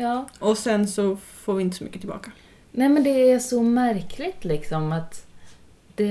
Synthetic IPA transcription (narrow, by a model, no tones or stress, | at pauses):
jɑːɔsɛnsɔfoːɾvɪɪnt̪əsɔmʏ̰kːət̪ʰɪlbɑ̰ːkḁ | nɛːmɛnd̪ɛæʂɔmæɾkʰlɪt̪lɪksɔmat̪ | d̪̥ɛ